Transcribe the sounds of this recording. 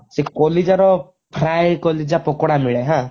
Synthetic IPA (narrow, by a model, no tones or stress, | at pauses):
sekɔlid͡ʒaɾɔ | pʰɾajkɔlid͡ʒapɔkɽamiɭɛɦã